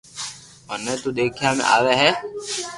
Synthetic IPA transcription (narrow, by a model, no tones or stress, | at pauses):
mənːeːt̪uːd̪eːkʰijaːmḛ̃ʔa̰ːʋeɦɛ